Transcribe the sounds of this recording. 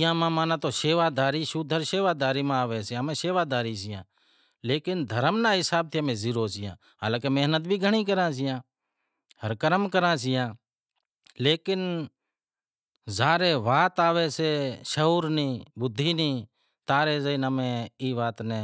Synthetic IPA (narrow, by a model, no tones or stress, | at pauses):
jãːmãːmãːnãːt̪oːʃeːʋaːd̪aːɾiːʃuːd̪ʱəɾʃeːʋaːd̪aːɾiːmãːaːʋeːseːəmẽːseːʋaːd̪aːɾiːs̬ɪjã̰ː | leːkɪnd̪ʱəɾəmnaːɦɪsaːb̚t̪ʰiamẽːziːɾoːsɪjã̰ː | ɦa̰ːlãːkemeɦnət̪̚bʱiːɡʱəɳ̃iːk̬əɾãːs̬ɪjãː | həɾkəɾəmkəɾãːs̬ɪjãː | leːkɪn | zaːɾeːʋaːt̪aːʋeːseːʃəɦuːɾnĩːbʊd̪ʱːiːniː | t̪aːɾeːzəinəmẽːiːʋaːt̪neː